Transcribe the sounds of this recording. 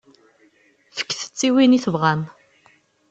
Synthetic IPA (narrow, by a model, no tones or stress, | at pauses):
fə̥kːθə̥t͡sːiwiniθəvʁan